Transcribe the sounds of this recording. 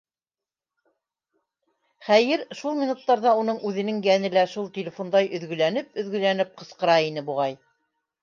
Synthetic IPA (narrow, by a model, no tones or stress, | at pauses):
χæjɘɾʃulˠmʲinut̪ːɑɾðɑun̪ɤɴʉðɘ̆nɘŋjænɘ̆læʃulˠt̪ʲelʲɪfond̪ɑjʔɵ̆ðɡɵ̆lænɘp̚ɵ̆ðɡɵ̆lænɘp̚qɤ̆sqɤ̆ɾɑinɘbuʁɑj